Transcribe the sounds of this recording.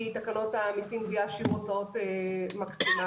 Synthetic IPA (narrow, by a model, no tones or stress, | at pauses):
it̪akano̞t̪amisinviaʃuʁot͡saot̪emaksima